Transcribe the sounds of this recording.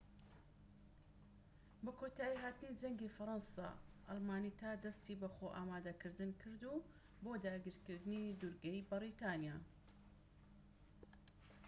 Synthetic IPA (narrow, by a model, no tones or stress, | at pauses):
bɐkʰoːt̪aːjiɦaːt̪ɨnid͡ʒɐŋɡifɐɾˤɑnsa̰ʔɐlmaːnit̪ʰaːd̪ɐst̪iːbɐxoːʔaːmaːd̪ɐkɨɾd̪ɨnkʰɨɾd̪u | boːd̪aːɡiɾkɨɾd̪ɨnid̪uɾɡɐjbɨɾit̪ʰɑːnjaː